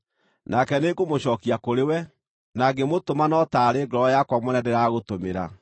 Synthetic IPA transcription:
nʔakɛnekomoɕɔːkiakoɾewɛ | naɡemotomanɔtaːɾeɡɔɾɔɔjakwamonɛdɛɾaɣotomeɾa̰

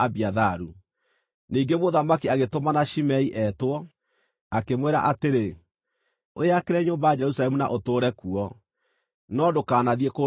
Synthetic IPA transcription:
aβiaðaɾu | niːŋɡemoðamakiaɣetomanaʃimɛiʔɛtwɔ | akemweɾa̰ʔateɾe | oeakeɾɛɲoːmbajad͡ʒɛɾusalɛmuna̰ʔotoːɾɛkuɔ | nɔdokaːnaðieko

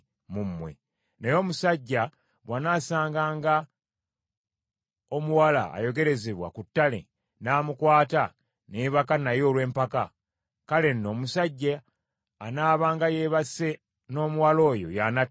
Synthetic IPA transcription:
mumːwe̞̰ | nejo̞ːmusaɟːa | βwanaːsaːŋɡaːŋɡa | o̞muwala̰ːjo̞ɡe̞ɾe̞zeβwa̰kutːale̞̰ | naːmukwaːta | neːβakanajo̞ːlwe̞ːmpaka | kale̞nːo̞ːmusaɟːaː | naːβaːŋɡaje̞ːβase̞ | no̞ːmuwalo̞ːjo̞̰jana

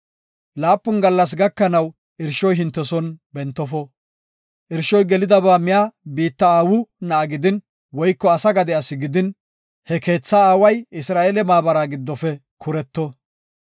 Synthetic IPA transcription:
laːpːʊnɡɐlːɐs̬ɡɐkːɐnɐw | ʔɪɾʃɔjɦɪnt̪ːɛsɔnbɛnt̪ːɔfɔ | ʔɪɾʃɔjɡɛlɪd̪ɐβaːmɪjabiːt̪ːɐaːwʊnɐːɡɪd̪ɪn | wɔjkːɔɐsɐɡɐd̪ɛɐsɪɡɪd̪ɪn | hɛke̞ːt͡sːɐaːwɐjɪsɾaːeːlɛmaːbɐɾaːɡɪd̪ːɔfɛkʰʊɾɛt̪ːɔ

